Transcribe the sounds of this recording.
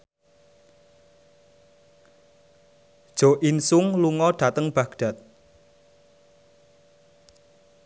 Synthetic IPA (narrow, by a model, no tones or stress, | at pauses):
d̥ʒ̥o̤ʔinsʊŋluŋɔɖ̥ä̤t̪əŋb̥aɡ̥ɖ̥a̤t̪̚